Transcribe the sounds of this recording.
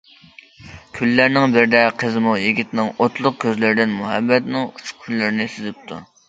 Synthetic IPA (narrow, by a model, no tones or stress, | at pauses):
kʲʰylːæɾnɪŋbɪɾd̪ɛqʰəzmujiɡʲit̪nɪŋot̪lˠʊq̚kʲʰøzlɪɾɪd̪ɪnmuɦɛbːɛt̪nɪŋut͡ʃʰʊ̥q̚kʲʰylːɪɾɪnɪsyzɪp̚t̪ʰṵ